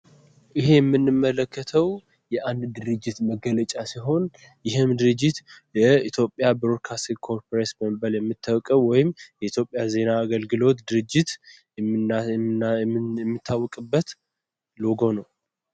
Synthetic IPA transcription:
ʔɪɦe̞jɛmːɨnːɨmːələkʰːət̪ʰəw | jɛʔand̪d̪ɨɾɨd͡ʒːɪt̪məɡələt͡ʃʼasiɦo̞n | jɪɦɨmd̪ɨɾɨd͡ʒːɪt̪jɛit̪ʰjo̞pʼjabɾoɾkʰast̪ikʰo̞ɾpɾesbəmbəljɛmːɨt̪ʰːəwkʼəwwɔjɪmjɛit̪jo̞pʼːjaze̞naːɡəlɡɨlo̞t̪d̪ɨɾɨd͡ʒːɪt̪ | ɛmːɨt̪ʰːawːɔkʼɨbːət̪ | loɡo̞nəw

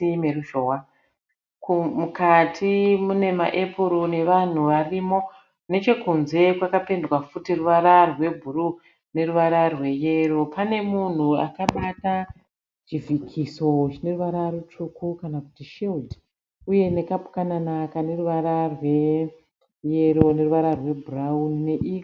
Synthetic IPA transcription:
meruʒowa | kumukatʰimune̞ma̰ʔepʰuɾone̞ʋan̤uʋarimo̞ | ne̞t͡ʃe̞kunze̞kwakape̞ndwafutiruʋaɾarwe̞bʱuɾu | ne̞ruʋaɾarwe̞jeropane̞mun̤ua̰kaɓata | t͡ʃivikʰiso̞t͡ʃine̞ruʋaɾarut͡ʃukukanaku̥tiʃeld | uje̞ne̞kapu̥kananakane̞ruʋaɾarwe̞ | je̞ɾo̞ne̞ruʋaɾarwe̞bʱuraunne̞ʔik

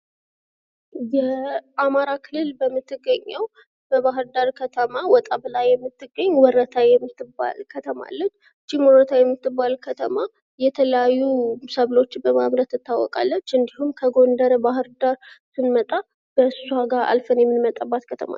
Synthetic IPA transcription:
jɛʔamaɾakʰɨlːɨlbəmːɨt̪ʰːɨɡːəɲːəw | b̥əβaɦɨɾd̪aɾkʰət̪ʰəmawɔt̪ʼaβlajːɛmːɨt̪ːɨɡəɲːwɔɾːət̪ʰajɛmːɨt̪ːɨba̰lkʰət̪ʰəma̰lːət͡ʃː | t͡ʃːimwɔɾət̪ʰajɛmːɨt̪ːɨbːalkʰət̪ʰəma | jɛt̪ʰələjajːusəβlo̞t͡ʃːbəmaβɾət̪ːɨt̪ːawːɔ̰kʼa̰lːət͡ʃːɨnd̪iɦumkʰəɡo̞nd̪əɾbaɦɨɾd̪aɾsɨnmət̪ʼa | b̥əssuaɡaʔa̰lfənjɛmːɨnmət̪ʼabːat̪kʰət̪ʰəma̰

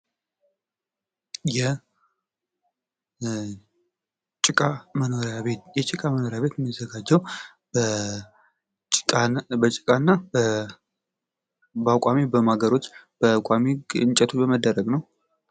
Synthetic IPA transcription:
jɛ | t͡ʃʼɪkʼamənoɾaβejɛt͡ʃʼɪkʼaməno̞ɾjaβe̞t̪jɛmːizəɡad͡ʒːəw | t͡ʃʼbət͡ʃʼɪkʼanːa | bakʼamebəmaɡəɾo̞t͡ʃːb̥əkʷʼameɨnt͡ʃʼɛt̪ʰot͡ʃbəməd̪ːəɾəɡnəw

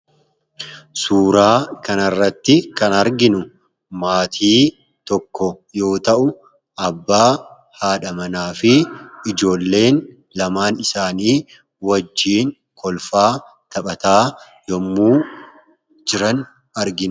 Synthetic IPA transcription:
suːɾaːkɐnɐrːɐt̪ːɪkɐnɐɾɡɪnʊ | maːt̪ʰiː | t̪ɔkːɔjo̞ːt̪ɐʔʊ | ʔɐbːaː | haːᶑɐmɐnaːfɪɪd͡ʒo̞ːlːe̞ːn | lɐmaːnɪsaːniː | wɐd͡ʒːiːŋ | kʰɔlfaː | t̪ʰɐpʼɐt̪aː | jɔmːuː | d͡ʒɪɾɐn | ɐɾɡɪn

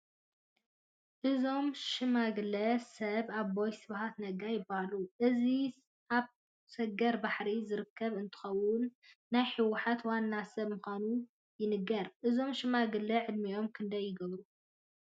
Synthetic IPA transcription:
ʔɨzo̞mʃɨmaɡɨlɐsɐβaβbojsɨβhat̪nɐɡajɪbːahaluʔɨzi | ʔaβ | sɐɡɐɾbaħɾizɨɾɨkːɐβɨnt̪ʰɨ̥xɐwʊnː | ajħɨwʊħat̪wanːasɐβmɨxʷanu | jɪnɨɡːɐɾʔɨzo̞mʃɨmaɡɨlɐʕɨd̪mio̞mkʰɨnd̪ɐjːɪɡɐβɾu

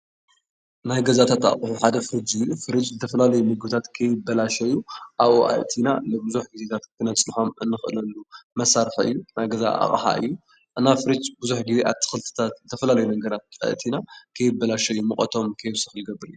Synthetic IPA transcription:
najɡɐzat̪ʰat̪a̰χʼħuħad̪ɐfɨɾid͡ʒɨjufɨɾit͡ʃzɨt̪ʰɐfɐlalɐjumɨɡɨbɨt̪ʰat̪kʰɐjɪbːɐlaʃɐjːuʔaβoʔa̰jt̪ʰina̰nɨbɨzuħɡize̞t̪ʰat̪kʰɨnɐt͡sʼnħo̞mʔɨnːɨxɨlɐlːumɐsaɾħɨ̰jːunajɡɐza̰ʔa̰χʼħa̰ʔɨ̰jːu | ʔɨnːafɨɾid͡ʒbɨzuħɡizeʔat̪ʰɨ̥xɨlt̪ʰɨ̥t̪ʰat̪zɨt̪ʰɐfɐlalɐjunɐɡɐɾat̪̚a̰jt̪ʰinakʰɐjɪbːɐlaʃɐjumɨχʼɐt̪ʰo̞mkʰɐjβsɨxlɨɡɐbːɨɾiu

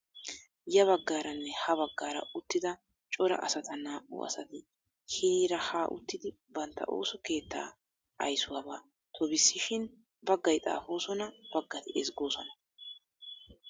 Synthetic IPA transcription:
jɐβɐɡːaːɾɐnːɛhɐβɐɡːaːɾɐ̰ʊt̪ːɪd̪ɐ | t͡ʃʼɔɾɐ̰ʔɐ̰sɐt̪ɐnaːʔṵɐ̰sɐt̪ɪ | hɪɾiːɾɐhaːʔʊ̰t̪ːɪd̪ɪ | bɐnt̪ːɐ̰ʔo̰ːsɔke̞ːt̪ːa̰ː | ɐ̰jsʊwɐːbaː | t̪ʰɔbɪsːɪʃɪn | bɐɡːɐjt̪ʼa̰ːfo̞ːsɔnɐb̥ɐɡːɐt̪ɪɛsɡo̞ːsɔnɐ̥

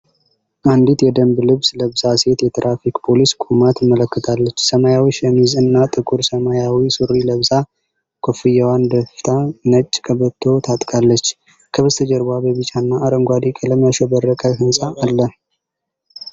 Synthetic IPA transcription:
ʔand̪it̪jɛd̪əmblɨβsləβzase̞t̪jɛt̪ʰɾʔafikpʰo̞liskʼumat̪mːələkːət̪ʰalːət͡ʃːsəmajawiʃəmizɨnːat̪ʼɨkʼuɾsəmajawisuɾːiləβza | kʰofɨjawand̪əft̪ʰanət͡ʃʼːkʰəβət̪ʰːo̞t̪ʰat̪ʼkʰʼalːət͡ʃː | kʰəβɨst̪ʰəd͡ʒəɾbabəβɨt͡ʃʼanːaːɾəŋɡʷad̪ikʼələmaʃobərːəkʼəhɨnsʼaːlːə

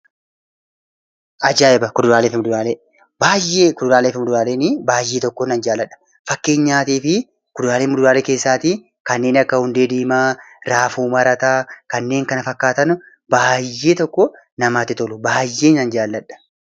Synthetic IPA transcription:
ʔɐd͡ʒaːɛbɐkʊd̪ʊɾaːleːfɪmʊd̪ʊɾaːleː | baːjːeːkʊd̪ʊɾaːleːfɪmʊd̪ʊɾaːleːnɪbaːjːeːt̪ɔkːɔnɐnd͡ʒaːlːɐᶑɐ̥ | fɐkːe̞ːɲːaːt̪iːfɪ | kʊd̪ʊɾaːleːmʊd̪ʊɾaːleːke̞ːsːaːt̪i | kɐnːe̞ːnɐkːɐhʊnd̪eːd̪iːmaːɾaːfuːmɐɾɐt̪aːkɐnːe̞ːŋkɐnɐfɐkːaːt̪ɐn | baːjːe̞ːt̪ɔkːɔ | nɐmaːt̪ɪt̪ɔlʊbaːjːe̞ːnɐnd͡ʒaːlːɐᶑɐ̥

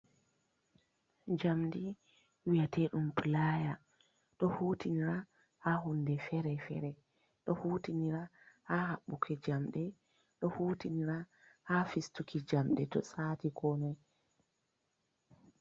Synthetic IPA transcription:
d͡ʒamdi | wijatʰɛɗumpʰɨlaːja | ɗɔhuːtiniɾa | hahundɛfɛɾɛfɛ̰ɾɛ | ɗɔhuːtiniɾahahaɓːukʰɛd͡ʒamɗɛ | ɗɔhuːtiniɾa | hafistukʰid͡ʒamɗɛtɔ̰satikʰɔːnɛ

